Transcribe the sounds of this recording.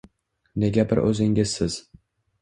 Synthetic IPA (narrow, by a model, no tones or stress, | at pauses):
neɡʲabɪɾʔɵ̰zɪŋʲɪzsɪz̥